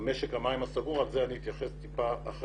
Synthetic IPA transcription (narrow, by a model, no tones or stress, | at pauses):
meʃekhamaimasaɡuʁalzeaniit̪jaχest̪ipaːχ